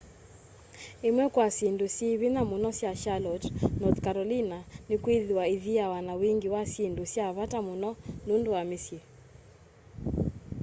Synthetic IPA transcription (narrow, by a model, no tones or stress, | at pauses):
emwɛkwasindusiβinamunɔsjaʃalɔtnɔθkaɾɔlinanɪkwiðiwaiðiawanawiŋɡiwasendusjaβatamunɔnundowamisje